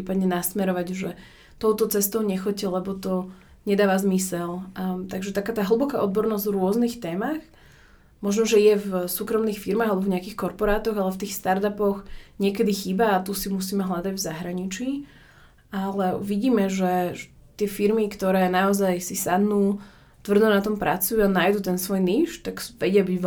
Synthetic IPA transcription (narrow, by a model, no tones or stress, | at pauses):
iːpad̪ɲɛnasmɛɾɔʋaɟʒɛ | t̪ɔʊt̪ɔt͡sɛst̪ɔʊɲɛxɔcːɛlɛbɔt̪ɔ | ɲɛd̪aːʋazmisɛlt̪aɡʒɛt̪akaːt̪aːɦl̩ˠbɔka̰ʔɔd̪̚bɔɾnɔzɟvɾʊɔznixt̪ɛːmax | mɔʒnɔʒɛjɛvsuːkɾɔmnixfiɾmaːɣalɛbɔvɲɛakiːxkɔɾpɔɾaːt̪ɔɣalɛft̪iːxst̪aɾt̪apɔɣɲɪɛkɛd̪ixiːbaːt̪usimusiːmɛɦlad̪aɟvzaɦɾaɲit͡ʃiː | ʔalɛʋiɟiːmɛʒɛ | t̪ɪɛfiɾmikt̪ɔɾɛːnaɔzajsisad̪nuː | t̪ʋr̩d̪ɔnat̪ɔmpɾʔa̰t͡sujuanaːjd̪uːt̪ɛnsʋɔjniːʃt̪aɡʋɛɟɪabiɟ